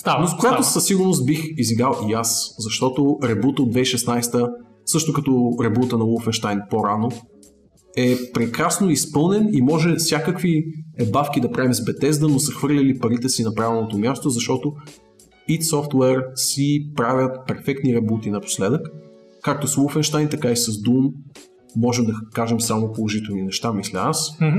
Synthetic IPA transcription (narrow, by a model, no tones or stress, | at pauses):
nozkoɡat̪osəsiɡʊɾnos̬t̪̚bixiziɡɾalˠiaszɐʃt̪ɔt̪oɾɛbut̪od̪vɛiʃɛsnajst̪ə | sɤʃt̪okɐt̪ɔɾɛbut̪ənɐulˠfɛnʃt̪ajnpoɾano | ɛpɾɛkɾasnoispɤlˠnɛnimɔʒɛfsʲjakəkviɛbafk̟ʲid̪ɐpɾʔavimzbɛt̪ɛzd̪ənosɐxvɤɾlʲəlipɐɾit̪ɛsinɐpɾavɛlˠnot̪omʲjast̪ozɐʃt̪ɔt̪o | it̪sɔft̪wɛɾsipɾavʲət̪pɛɾfɛk̚t̪niɾɛbut̪inɐpo̥slɛd̪əkː | ak̚t̪osulˠfɛnʃt̪ajnt̪ɐkaisɐzd̪umː | ɔʒɛmd̪ɐkaʒɛmsamopolˠoʒit̪ɛlˠninɛʃt̪amislʲəas